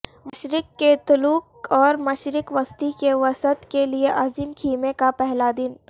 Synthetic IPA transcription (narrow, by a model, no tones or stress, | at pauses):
məʃɾɪkːet̪ʊluːk̚ | ɔːɾmɐʃɾɪkʋɐst̪ikeʋɐsət̪kelieʔaːziːmkʰiːmekapɛɦlad̪ɪn